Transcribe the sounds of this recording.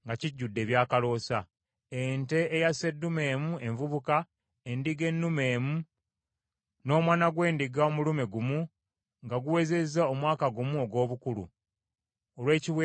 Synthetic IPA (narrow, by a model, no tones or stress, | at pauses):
ŋɡaciɟːudːe̞ːβjaːkalo̞ːsa | ente̞ːjase̞dːume̞ːmue̞ɱvuβuka | endiɡe̞nːume̞ːmu | no̞ːmwaːnaɡwe̞ːndiɡaomulume̞ɡumu | ŋɡaɡuwe̞ze̞zao̞mwaːkaɡumuo̞ɡwo̞ːβukulṵ | olwe̞ːciwe